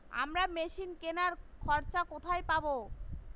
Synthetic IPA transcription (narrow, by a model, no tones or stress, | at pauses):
a̰mɾameʃinkenaɾkʰɔɾt͡ɕakot̪ʰajpabo